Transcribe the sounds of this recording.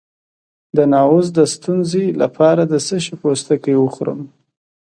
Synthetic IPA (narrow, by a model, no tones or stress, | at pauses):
d̪ənɑwʊzd̪əst̪unzela̰pʰɑɾad̪əsəʃipost̪akəjwəxɾə̰m